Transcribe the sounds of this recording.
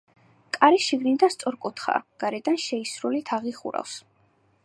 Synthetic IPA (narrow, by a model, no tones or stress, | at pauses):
kʼaɾiʃiɡnid̪ast̪sʼɔɾkʼut̪ʰχa̰ɡ̥aɾɛd̪anʃɛisɾulit̪ʰaʁiχṵɾa̰ls